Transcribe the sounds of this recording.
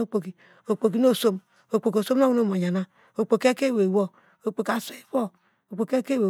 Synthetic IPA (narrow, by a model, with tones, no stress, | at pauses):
o˦˨k͡po˨ki˨ | o˨k͡po˨k̬i˦no˦˨so˦m | o˨k͡po˨ko˨so˦mno˦wu˦no˦mo˨ɲa˨na˦ | o˨k͡po˨ke˦ke˦˨we˨wo˦ | o˨k͡po˨ka˨se˦i˦bo˦ | o˨k͡po˨ke˦ke˦we˨